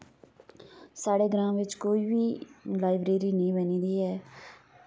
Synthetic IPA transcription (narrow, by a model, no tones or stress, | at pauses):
saːɽeːɡəɾãːʋɪt͡ʃkoːiːbiːlaːɪbɾeːɾiːnəĩbənĩːd̪iːɦɛː